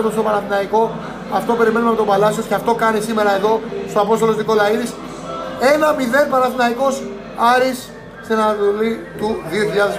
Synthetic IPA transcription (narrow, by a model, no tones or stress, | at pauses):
t̪ost̪opɐɾɐθinɐiko̞ | ɐft̪o̞pe̞ɾime̞numɐpot̪opɐlɐsiosceft̪o̞kɐnisime̞ɾɐe̞ðo̞st̪o̞ɐpost̪olo̞zðikolɐiɾis | e̞nɐmiðe̞npɐɾɐθinɐiko̞s | ɐɾis | senɐðulit̪uðio̞çiʎɐðes